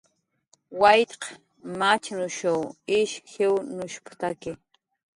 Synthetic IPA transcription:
wajt̪q | mat͡ʃnʊʃowɪʃxewnʊʃpt̪akɪ

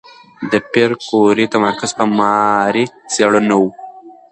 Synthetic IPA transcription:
d̪əpeɾkoɾet̪amaɾkazpəmɑɾiseɽunawu

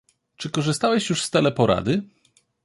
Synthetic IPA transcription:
t͡ʂɘkɔʐɘst̪awɛɕjuʂst̪ɛlɛpɔɾa̰d̪ɘ

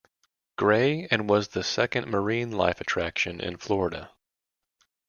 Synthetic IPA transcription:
ɡ̥ɹeɪɨ̃nwʌzðɨsɛkɨ̃nmə˞ĩnla̰ɪfɨtʰɹ̥ækʃɨ̃nʔɪ̰̃nflɔɹɨɾɨ̰

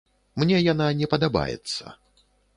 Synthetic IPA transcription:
mnʲɛjananʲɛpɐd̪aba̰jɛ̰t̪sːɐ̰

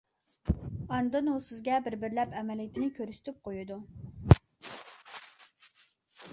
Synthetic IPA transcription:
ɑnd̪ɨnusɪzɡʲɛbɪɾbɪɾlɛpɛmɛlijit̪ʰɪnɪkʲʰøɾysɪ̥t̪ʰyp̚qʰojud̪u

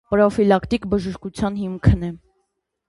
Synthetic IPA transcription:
pɾɔfilɑkt̪ikbəʒəʃkut͡sʰjɑnɦimkʰənɛ

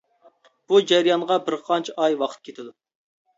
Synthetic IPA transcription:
b̥ud͡ʒɛɾjɑnʁɑbɪɾqʰɑnt͡ʃʰʔɑjwɑqʰə̥t̪̚kʲʰet̪ʰɪd̪u

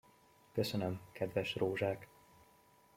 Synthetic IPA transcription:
køsønømkɛd̪vɛʃroːʒaːk

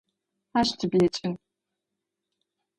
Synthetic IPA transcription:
aʃtʰɨbjɛt͡ʃʼɪn

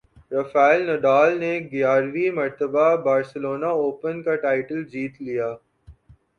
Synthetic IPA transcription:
ɾɐfaːɪlnɐɖaːlneɡjaːɾʋimɐɾt̪əbabaːɾsəloːnaoːpənkaʈaːɪʈəld͡ʒiːt̪lijaː

